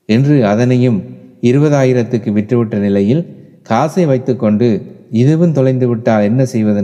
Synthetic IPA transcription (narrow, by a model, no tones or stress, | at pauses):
ɛndrɯɐðɐnɐjɯmɪɾɯbɐðaːjɪɾɐt̪ːɯkːɯʋɪʈrɯʋɪʈːɐnɪlɐjɪl | kaːsɐɪʋɐɪt̪ːɯkːɔɳɖɯɪðɯʋɯmt̪ɔɻɐɪnd̪ɯʋɪʈːaːlɛnːɐsɛjʋɐðɯ